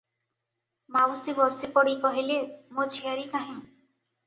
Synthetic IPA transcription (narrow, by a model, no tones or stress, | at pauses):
mawsibɔsipɔɽikɔɦilemot͡ʃʰiaɾik̪aɦĩ